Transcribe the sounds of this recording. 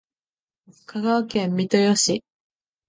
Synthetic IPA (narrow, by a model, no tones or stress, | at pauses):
kʰaɡaakẽ̞mːit̪ojoɕi